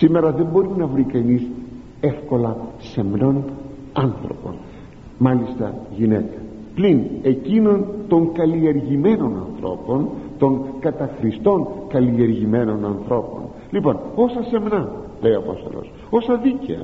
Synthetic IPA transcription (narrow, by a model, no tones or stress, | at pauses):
sime̞ɾɐðe̞mbo̞ɾinɐvɾikɐnis | e̞fko̞lɐse̞mno̞n | ɐnθɾo̞̰po̞̰n | mɐlist̪ɐ̰ʝinet̪e̥ | pline̞cino̞nt̪o̞ŋkɐlie̞ɾʝime̞no̞nɐ̰nθɾo̞̰po̞nt̪o̞ŋkɐt̪ɐxɾist̪o̞ŋkɐlie̞ɾʝime̞no̞nɐnθɾo̞po̞̰n | lipo̞no̞sɐse̞mnɐle̞iɐpo̞̰st̪o̞̰lo̞̰s | o̞sɐðicḛɐ̰